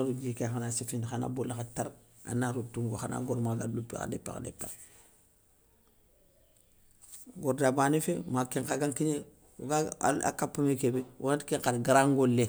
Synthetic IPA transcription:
ɾud͡ʒikexanasifindxana̰bulaxataɾ | a̰naɾutuŋɡoxana̰ɡoɾmaɡalupːḭxa̰dḛpːḛxa̰dḛpːḛ | ɡoɾdabanifemakeŋkaɡaŋkiɲe | ɡaa̰kapːamekebewʔantkeŋkalɡaɾaŋɡolːe

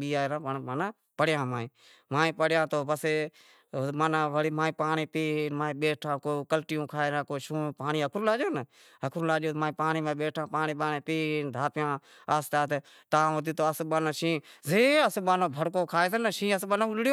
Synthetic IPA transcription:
ɓiːaːɾãːpəɳmanaː | pəɽjãːmãːĩː | maːĩːpəɽjãːt̪oːbəse | manãːʋəɽiːmãːĩːpaːɳiːpiːnmaːĩːɓeːʈʰãːkoːkəlʈɪjõːkʰaːeɾãːkoːʃũːpaːniːɦəkʰɾuːlaːd͡ʒoːnə | ɦəkʰɾũːlaːd͡ʒoːmãːĩːpaːniːmãːɓeːʈʰãːpaːniːɓaːnẽːpiːnd̪ʱaːpjãː | aːst̪aːt̪e | t̪ãːot̪iːt̪oːəsɓaːnãːʃĩːzeːəsɓaːnõːbʱəɽkõːkʰaːesənəʃĩːəsɓanãːʊlɽɪjoː

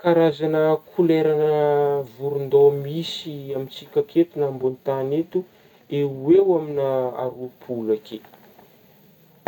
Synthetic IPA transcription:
kaɾazanəkʰuleɾanəvuɾund̪omisiamint͡sikʲaket̪unambont̪anet̪u | ewewaminaa̰ɾupʰulake

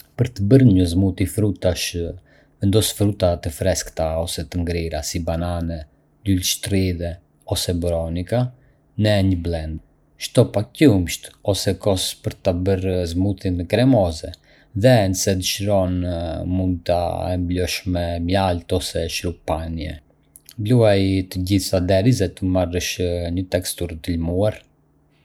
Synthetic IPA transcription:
pəɾt̪əbəɾɲəzmut̪ifɾut̪aʃ | vɛnd̪ɔsfɾut̪at̪əfɾɛskt̪aɔsɛt̪əŋɡɾiɾasibananɛ | lulʃt̪ɾiðɛ | ɔsɛbɾɔnika | nɛɲəblɛnd̪ | ʃt̪ɔpacumʃt̪ɔsɛkɔspəɾt̪abəɾzmuθinkɾɛmɔzɛ | ðɛnəsɛd̪əʃɾɔnmund̪̚t̪a̰ɛmblɔʃmɛmjalt̪ɔsɛʃɾupanjɛ̰ | bluajt̪əɟiθad̪ɛɾizɛt̪əmarəʃɲət̪ɛkst̪uɾt̪əlmuaɾ

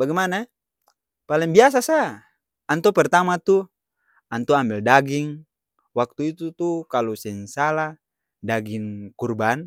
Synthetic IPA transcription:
baɡɛmana | palɛŋbias̬asa | ant̪ɔpɛrt̪amat̪u | ant̪uambɛldaɡiŋ | wak̚t̪uit̪ut̪ukalɔsɛnsala | daɡiŋkurban

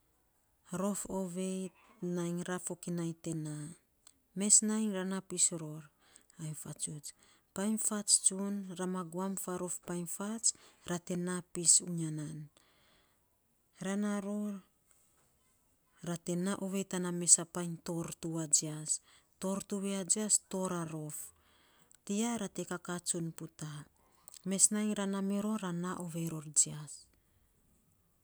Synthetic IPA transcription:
ɾo̞foβe̞jtnajŋɾafo̞kinajte̞na | me̞snajŋɾanapisɾo̞ɾ | ajmfat͡ʃut͡ʃ | pajnfat͡ʃt͡ʃunɾamaɡuamfaɾo̞fpajnfat͡ʃɾate̞napisuɲanan | ɾanaɾoɾ | ɾate̞naʔoβe̞taname̞sapajnto̞ɾtuad͡ʒiasto̞ɾtuβead͡ʒiasto̞ɾaɾo̞f | tiaɾate̞kakat͡ʃunputa | me̞snajŋɾanameɾo̞ɾanaʔoβe̞ɾo̞ɾd͡ʒias

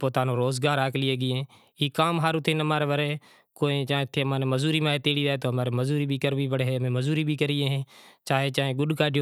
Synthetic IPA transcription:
poːt̪aːnõːɾoːzɡaːɾaːklɪeːɡɪːẽː | iːkaːmɦaːɾʊt̪ʰːeːnəmaːɾeːʋəɾeː | koːẽːt͡ʃaːt̪ʰːeːmaːnẽːməzuːɾiːmãːɦeːt̪eːɽiːdaːeːt̪oːɦəmaːɾeːməzuːɾiːbʱiːkəɾʋiːpəɽeːɦeːəmẽːməzuːɾiːbʱiːkəɾiːẽːɦẽːt͡ʃaːɦeːt͡ʃaːɦẽːɡʊɗkaːɖʱjo

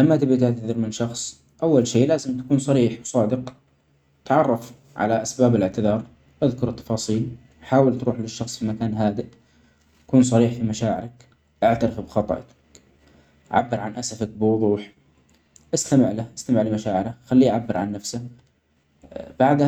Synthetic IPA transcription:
lamːat̪ɪbit̪aʕt̪aðɪɾmɪnʃɑxsˤ | ʔawːalʃeːʔlaːzɪmt̪ḁkuːnsˤɑɾiːħwsˤɑːd̪ɪq | t̪ʕɑrˤːɑf | ʕa̰laʔasbaːbɪlɪʕt̪ɪðɑːɾˤ | ʔaðkʊɾɨt̪ːɑ̥fɑːsˤiːl | ħaːwɪlt̪ɾuːħlɪʃːɑxsˤfimakaːnɦaːd̪ɪʔ | t̪ḁkuːns̬ˤɑɾiːħfimaʃaːʕɪ̰ɾak | ʔaʕt̪aɾɪfbxɑt̪ˤʔ | ʔa̰ʕa̰bːɪɾʕanʔasafak̚bɪwʊðˤuːħ | ʔast̪amɪʕlaʔast̪amɪʕlɪmaʃaːʕɪɾaxalːiːʔaʕabːɪɾʕa̰nːafsa | b̥aʕd̪

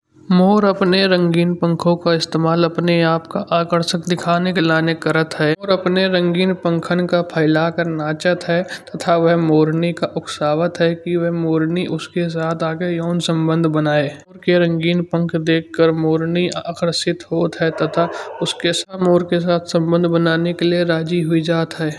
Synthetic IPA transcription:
moːɾɐpneɾə̃ŋɡiːnpə̃ŋkʰõkaɪst̪eːmaːlɐpneaːpkaʔaːkəɾʃəkd̪ɪkʰaːnekelaːnekɐɾət̪ɦɛːɾɐpneɾə̃ŋɡiːnpə̃ŋkʰənkapʰaːɪlakəɾnaːt͡ʃət̪ɦɛt̪ɐt̪ʰaʋəɦmoːɾnikaʔʊksaːʋət̪ɦɛkiʋɐɦmoːɾniʔʊskes̬aːt̪ʰaːɡejɔːnsə̃mbə̃nd̪ʱbənaːeːɾkeɾə̃ŋɡiːnpə̃ŋkʰd̪eːkʰːəɾmoːɾniaakəɾʃɪt̪ɦoːt̪ɦɛt̪ɐt̪ʰaʊskesmoːɾkes̬aːt̪ʰsə̃mbə̃nd̪ʱbənaːnekelieɾaːd͡ʒiɦʊid͡ʒaːt̪ɦɛː

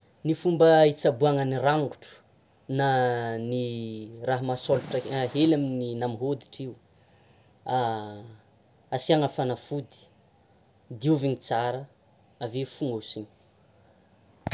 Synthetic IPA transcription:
nifumbəit͡sabuaŋəniraŋɡuʈ͡ʂu̥ | naniraɦamasoluʈ͡ʂəɦelamininamiɦod̪i̥ʈ͡ʂiu | a | asiaŋəfanafud̪i̥ | d̪iuviɲit͡saɾə | avefuŋɡausiɲ̥

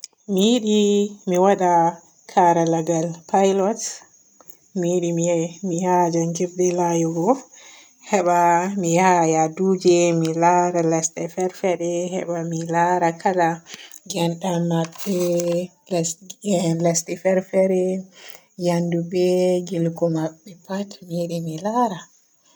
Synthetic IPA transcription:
mijiɗimiwaɗa | kʰaɾalaɡalpʰajlɔt | mijiɗimihad͡ʒaŋɡifdɛlajɔɡɔf | hɛɓamihajaduːd͡ʒɛmilaɾalɛstɛfɛɾfɛɾɛhɛ̰ɓamilaɾakʰalaɡɛnɗamabːɛ | l | lɛstɛfɛɾfɛɾɛ | jandubɛɡilkɔmaɓːɛpatmiɗimilaɾa

